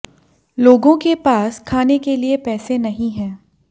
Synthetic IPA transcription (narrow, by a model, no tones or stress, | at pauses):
loːɡõkepaːskʰaːnekeliepɛːsenɐɦĩɦɛ̃ː